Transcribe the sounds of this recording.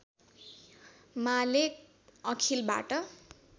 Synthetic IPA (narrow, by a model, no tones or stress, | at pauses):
malek̚ | ʌkʰilba̰ʈʌ